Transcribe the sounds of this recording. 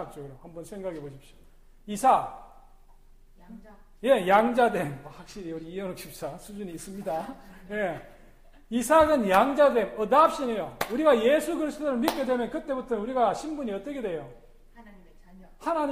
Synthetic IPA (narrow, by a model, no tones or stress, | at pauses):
k̚t͡ɕ͈oohambʌnsʰeŋɡaɡeboɕ̬ʰip̚ɕ͈o̥ | isʰa | je̞jaŋd͡ʑadwe̞mhwak̚ɕ͈iɾiuɾiiʌnokɕ͈ʰip̚t͡ɕ͈asʰud͡ʑuɲiːs͈ɯmɲidaje̞ | isʰaɡɯnjaŋd͡ʑade̞mʌdap̚ɕ͈inejouɾiɡaje̞sʰukɯɾisʰɯ̥toɾɯɭmit̚k͈e̞dwe̞mjʌnkɯt͈e̞butʰʌnuɾiɡaɕʰimbuɲiʌt͈ʌkʰedwe̞jo | hanaɲ